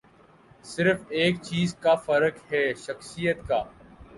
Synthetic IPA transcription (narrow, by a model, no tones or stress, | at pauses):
sɪɾfeːkt͡ʃiːzkafɐɾəkɦɛːʃɐxsijət̪kaː